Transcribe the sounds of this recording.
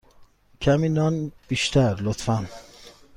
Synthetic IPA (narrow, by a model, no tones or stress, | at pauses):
cʰæmiːnɒːnb̥iːʃt̪ʰæɾlot̪fæn